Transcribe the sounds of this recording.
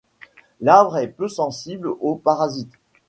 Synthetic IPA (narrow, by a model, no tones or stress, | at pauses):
lavʁɛpøsɑ̃siblopaʁazit̪